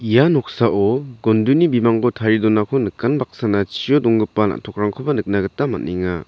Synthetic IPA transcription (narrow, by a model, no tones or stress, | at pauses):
ijanɔk̚saʔɔɡɔndunibimaŋɡɔtʰaɾidɔnakʰɔnɯkːanbak̚sanat͡ʃijɔdɔŋɡɯpːana̰tʰɔk̚ɾaŋkʰɔbanɯk̚naɡɯtama̰niŋa